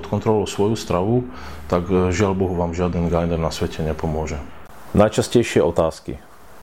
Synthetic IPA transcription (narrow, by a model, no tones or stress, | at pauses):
ɔt̪kɔnt̪ɾɔlɔʊsʋɔjust̪ɾaʋu | t̪aɡʒɪaʎbɔɦuʋaːmʒɪad̪ɛnɡajnɛɾnasʋɛcɛɲɛpɔmʊɔʒɛ | najt͡ʃascɛjʃɪɛʔɔt̪aːskḭ